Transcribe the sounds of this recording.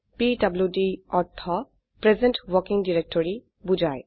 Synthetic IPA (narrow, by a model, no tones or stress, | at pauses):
pidabljudiɔt̪ʰːɔ | pɹezẽnʈwɔkiŋdiɹek̚tɔɹi | bud͡ʒaj